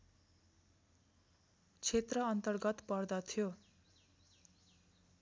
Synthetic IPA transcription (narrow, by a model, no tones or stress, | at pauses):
t͡sʰet̪rʌʌnt̪ʌrɡʌt̪pʌrd̪ʌt̪ʰjo